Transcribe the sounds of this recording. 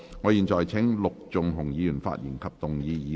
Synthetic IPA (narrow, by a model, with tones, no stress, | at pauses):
ŋɔː˨˧jiː˨nt͡sɔː˨jt͡sʰɪ˨˥ŋlʊ˨k̚t͡sʊ˨ŋɦʊ˨˩ŋjiː˨˧jyː˨˩nfa̰ː˧t̚jḭː˨˩nkʰɐ˨p̚t̪ʊ˨ŋjiː˨˧jiː˨˧